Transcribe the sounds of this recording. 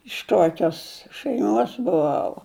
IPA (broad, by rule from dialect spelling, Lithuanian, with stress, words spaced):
ɪʃ ˈkoːkʲoːs ʃʲæɪˈmoːs bʊˈʋɐʊ